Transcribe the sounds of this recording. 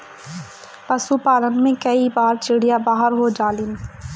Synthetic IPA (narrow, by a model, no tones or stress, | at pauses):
pɐsupaːlənmẽkɐibaːɾt͡ʃɪɽijabaːɦəɾɦod͡ʒaːlɪn